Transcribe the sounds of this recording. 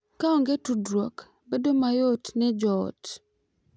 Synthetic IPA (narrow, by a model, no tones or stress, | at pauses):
kaɔŋɡetudɾwɔk | bedomajotnɛd͡ʒɔ̰ːt